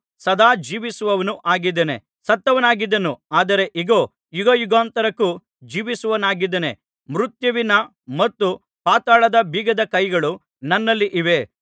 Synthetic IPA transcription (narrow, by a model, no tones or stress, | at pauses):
sɐd̪aːd͡ʒiːʋisuʋɐʋɐnuʔaːɡid̪ːɐne | sɐt̪ːɐʋɐnaːɡid̪ːɐnuaːd̪ɐɾe̞ʔiɡoː | juɡɐjuɡaːnt̪ɐɾɐkːu | d͡ʒiːʋisuʋɐnaːɡid̪ːɐne̞̰ | mɾut̪jɐʋinɐ | mɐt̪ːu | paːt̪aːɭɐd̪ɐbʱiːɡɐd̪ɐkɐjɡɐɭu | nɐnːɐlːiʔiʋe̞